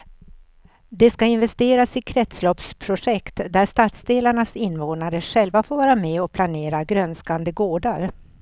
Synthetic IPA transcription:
d̪ɛskaɪnvɛst̪eːɾasɪkʰɾɛt̪slɔpspʰɾʊʂɛkt̪d̪æʂt̪at̪sd̪eːlaɳasɪnːvoːnaɾəʂɛlvafoːɾvɑːɾamɛɔpʰlaneːɾaɡɾœnskand̪əɡoːɖaɾ

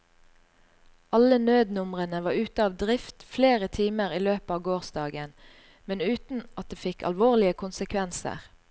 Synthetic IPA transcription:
ɑlənøːd̪nʊmʁənəʋɑːʉːt̪əɑːʋd̪ʁɪft̪fleːʁət̪ʰiːməʁiːløːpɑːʋɡoːʁsd̪ɑːɡən | mɛnʉːt̪n̩ʔɑt̪̚d̪eːfɪkʰɑ̰lʋoːʁlɪəkʰʊnsəkʰʋɛnsə̰ʁ

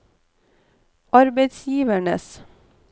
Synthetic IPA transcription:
ʔɑɾbeɪt̪sjiːʋæɳə̰s

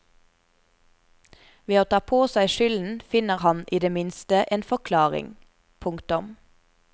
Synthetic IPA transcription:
ʋeːoːt̪ʰɑːpʰoːsæɪʃʏln̩fɪnəʁhɑniːd̪eːmɪnst̪əʔeːnfɔʁkʰlɑːʁɪ̰ŋ | pʰʊŋkt̪ʊm

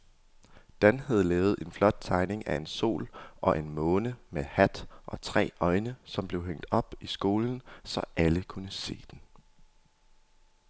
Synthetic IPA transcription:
d̥ænhæð̞ˠlɛːʊð̞̩ˠʔe̝nflɒ̽d̥̚t͡sʰɑ̈ɪne̝ŋæe̝nso̝̰ːlʔɒ̽ʔe̝nmɔ̽ːnəmehæd̥ʔɒ̽t͡sʰʁɛ̰ːɒ̽ɪnəsɒ̽mb̥le̝ʊɦeŋ̰d̥ɒ̽b̥isɡ̥o̝ːln̩sɒ̽ʔæləkʰunəse̝̰ːd̥en

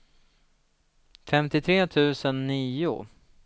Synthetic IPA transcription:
fɛmt̪ɪt̪ʰɾeːt̪ʰʉ̟ːsənːiːʊ̰

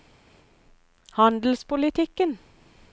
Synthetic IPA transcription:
hɑnd̪l̩spʊlɪt̪ʰɪkən

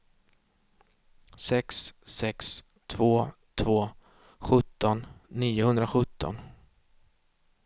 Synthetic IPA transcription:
sɛkssɛks | t̪ʰv̥oːt̪ʰvoː | ɧɵt̪ːɔnːiːʊhɵnd̪ɾaɧɵt̪ːɔ̰n

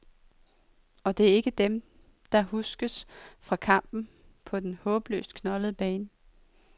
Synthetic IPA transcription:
ɒ̽d̥e̝æɐe̝ɡ̥əd̥em | d̥ɑ̈ɦusɡ̥əsfʁɑ̈kʰɑ̈m̰b̥n̩ | pʰɒ̽d̥enhɔ̽ːb̥lø̰ːsd̥kʰnɒ̽ləðˠb̥ɛːnə

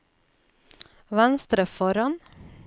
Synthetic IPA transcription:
ʋænst̪ɾəfɔɾɑn

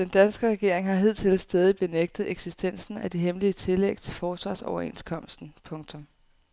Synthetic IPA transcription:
d̥end̥ænsɡ̥əʁɛɡ̥e̝ɐ̰e̝ŋɦɑ̈ɦið̞̰ˠt͡sʰe̝lsd̥ɛːð̞ˠib̥e̝neɡ̥̚d̥ð̩ˠeɡ̥sisd̥en̰sn̩æd̥eɦemliət͡sʰe̝leɡ̥̚t͡sʰe̝lfɒːsʋɑ̰̈ːsɒʊɐe̝̰nskʰɒ̽m̰sd̥n̩pʰɔ̽ŋt͡sʰɔ̽m

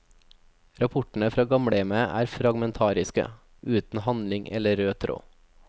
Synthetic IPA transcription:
ɾɑpʰʊʈɳ̩əfɾɑːɡɑmɽeːməʔæ̰ːɾfɾɑɡmɛnt̪ʰɑːɾɪskə̰ | ʉːt̪n̩hɑnlɪŋʔɛ̰ləɾøːt̪ʰɾo̰ː

